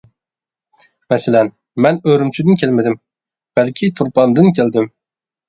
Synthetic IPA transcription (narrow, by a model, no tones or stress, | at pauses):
mɛsɪlɛn | mɛnøɾymt͡ʃʰyd̪ɪnkʲʰelmɪd̪ɪm | b̥ɛlkʲʰit̪ʰuɾpɑnd̪ɨnkʲʰeld̪ɪm